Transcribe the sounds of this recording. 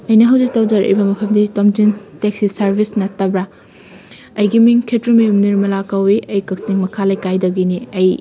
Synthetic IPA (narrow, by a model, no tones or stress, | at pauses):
ɐjnɐɦɐwzik̚tɐwd͡ʒɐɾɐ̰jbɐmɐpʰɐmditomtintek̚sisɐɾbʱisnɐtɐbɾa | ɐjɡimiŋkʰetɾumiumniɾmɐlakɐwiʔɐjkɐk̚siŋmɐkʰalɐjkajdɐɡiniɐj